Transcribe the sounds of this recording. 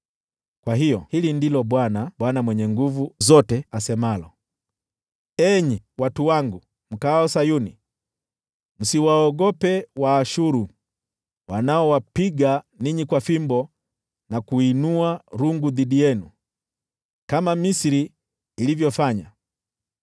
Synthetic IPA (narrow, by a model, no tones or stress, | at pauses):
kwaɦijɔhilindilɔɓwanaɓwanamwɛɲɛŋɡuvuzɔtɛasɛmalɔ | ɛɲiwatuwaŋɡu | m̩kaɔsajuni | m̩siwaɔɡɔpɛwaːʃuɾu | wanaɔwapiɡa | niɲikwafimbɔ | nakuinuaɾuŋɡuðiɗijɛnu | kamamisiɾiː | livjɔfaɲa